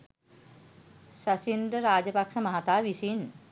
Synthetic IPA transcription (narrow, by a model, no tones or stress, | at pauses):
sasind̪ɾəɾaːd͡ʒəpakʂəmaɦat̪aːʋisin